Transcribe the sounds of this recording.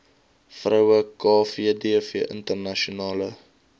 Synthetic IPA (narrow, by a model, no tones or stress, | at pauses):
frœwəkɑːfiədiəfiəʔə̰ntərnɐʃunɑːlə